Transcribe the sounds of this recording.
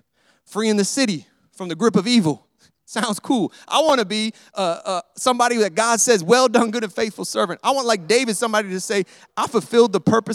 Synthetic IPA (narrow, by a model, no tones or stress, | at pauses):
fɹiɨ̃nðɨsɪɾi | fɹʌ̃mðɨɡɹʉpʌvivl̩ˠ | sãʊ̃ndz̥kʰulˠʔa̰ɪwɑñɨbi | ʔʌʌsʌ̃mbɑɾiðɨt̚ɡ̥ɑd̥sɛzwɛlˠdʌ̃nɡʊɾɨ̃nfeɪθfl̩ˠsɜ˞vɨ̃ntaɪwɑ̃nlaɪk̚d̥eɪvɨd̥sʌ̃mbɑɾiɾɨseɪ | ʔaɪfl̩ˠfɪlˠd̪̚ðəpʰɜ˞pɨ